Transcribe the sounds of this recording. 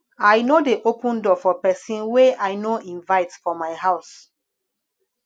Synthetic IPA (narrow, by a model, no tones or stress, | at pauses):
ajnodeʔopũndɔfɔpɛsĩnweajnoĩnvaɪtfɔmaɪɦaʊs